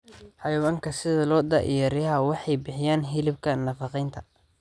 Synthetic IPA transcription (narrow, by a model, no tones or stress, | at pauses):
ħɑjwaːŋkʰɐsɪðɐlɔːd̪ɐ̰ʔjɐɾɪjɐɦɐwɑħɑjbɪħɪjaːnɦɪlɪb̚kʰɐnɐfɑqɛjnt̪ʰɐ